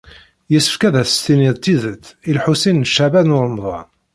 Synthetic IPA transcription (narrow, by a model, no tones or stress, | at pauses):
jəsə̥fkæðæst̪iniðt̪ːiðət͡sːilħusinʃːæbænʊɾˤmðˤɑ̰